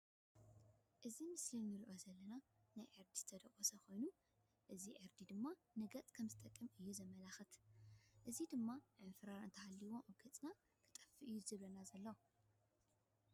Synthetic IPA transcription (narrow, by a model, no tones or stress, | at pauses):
ʔɨzimɨslinnɨlʔozɐlːɐna | najʕɨɾd̪izɨt̪ʰɐd̪ɐkʼosɐkʰo̞jnu | ʔɨziʕɨɾd̪id̪ɨmːa | nɐɡɐt͡sʼkʰɐmzɨt̪ʼɐkʼːɨmɨjːuzɐmɐlaxɐt̪ʔɨzid̪ɨmːaʕɨnfɾaɾɨ̰nt̪ʰɐhalːiwoʔobɡɐt͡sʼna | kʰɨt̪ʼɐ̥fːiʔɨjːuzɨβlɐnazɐlːɐw